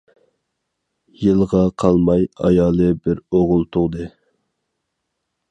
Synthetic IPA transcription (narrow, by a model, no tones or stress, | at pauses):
jɨlˠʁɑqʰɑlˠmɑjɑ̰jɑːlˠɨbɪɾoʁʊlˠt̪ʰʊʁd̪ɨ